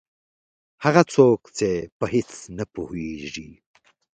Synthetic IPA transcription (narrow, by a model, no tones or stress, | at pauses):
haɣat͡sokt͡sepəhɪt͡snapuheʐi